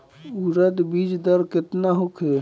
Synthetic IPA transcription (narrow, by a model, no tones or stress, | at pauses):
uɾəd̪bid͡ʒd̪əɾket̪naɦokʰe